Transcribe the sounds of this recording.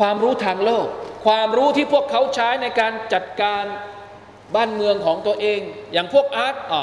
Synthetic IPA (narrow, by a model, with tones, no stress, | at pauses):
kwaː˧mɾuː˦˥t̪ʰaː˧ŋloː˥˩k̚ʰːwaː˧mɾuː˦˥t̪ʰiː˥˩pʰu˥˩əkʰːa˦˥wt͡ɕʰaː˦˥jna˧jkaː˧nt͡ɕa˨˩t̪̚kaː˧n | baː˥˩nmɯ˧əŋkʰɔː˩˦ŋt̪u˧ɐʔeː˧ŋjaː˨˩ŋpʰu˥˩ək̚ʔaː˦˥t̪̚ʔ